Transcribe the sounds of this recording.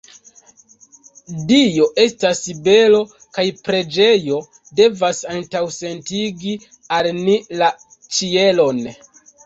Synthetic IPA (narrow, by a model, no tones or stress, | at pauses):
dijo̞ʔe̞stasibe̞lo̞ | kajpɾe̞d͡ʒe̞jo̞ | de̞vasantawse̞ntiɡi | alnila | t͡ʃie̞lo̞n